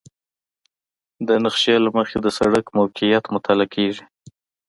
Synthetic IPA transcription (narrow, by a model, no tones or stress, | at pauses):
d̪ənaxʃjelaməxed̪əsaɽəkmawkɪjat̪mʊt̪ʰalakʰeʒi